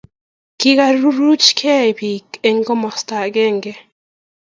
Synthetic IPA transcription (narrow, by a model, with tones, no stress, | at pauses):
kɪ˦ka˦ɾu˦ɾu˦t͡ʃkʰe˦˨bi˨ke˦ŋɡo˦mɔ˨sta˨ɡe˦ŋɡe˦